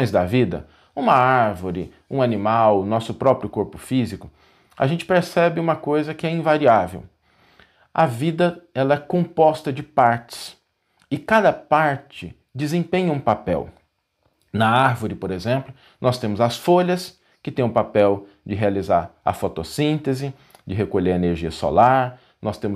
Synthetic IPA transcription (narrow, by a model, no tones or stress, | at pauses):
õj̃zd̪ɐvid̪ɐ̰ | ũmɐaɾvoɾɪ | ũanĩmawʊnɔsʊpɾɔpɾjʊkoɾpʊfizikʊ | ɐ̰ʒẽnt͡ʃɪ̥peɾsɛbɪũmɐkojzɐkɪɛĩvaɾiavḛw | ɐvid̪ɐɛlɐɛkõmpɔst̪ɐd͡ʒɪpaɾt͡ʃɪ̥s | ɪkad̪ɐpaɾt͡ʃɪ | d͡ʒɪzẽpẽɲɐũpapɛ̰w | nɐaɾvʊɾɪpoɾezẽmplʊ | nʔɔst̪ẽmʊzɐsfoʎɐs | kɪt̪ẽj̃ʊpapɛw | d͡ʒɪɦealizaɾɐ̰fɔt̪osĩnt̪ezɪ | d͡ʒɪɦekoʎeɾeneɾʒiɐso̰laɾ | nɔst̪ẽmʊ